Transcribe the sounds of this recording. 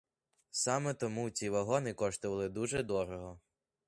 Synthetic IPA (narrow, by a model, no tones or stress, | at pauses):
sɑmɛt̪ɔmut͡sʲiʋɐɦɔnɪkɔʃt̪ɔʋɐlˠɪd̪uʒɛd̪ɔɾɔɦɔ